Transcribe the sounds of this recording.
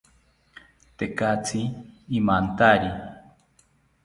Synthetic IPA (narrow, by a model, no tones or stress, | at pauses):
t̪ekat͡sʰiːmant̪aɾi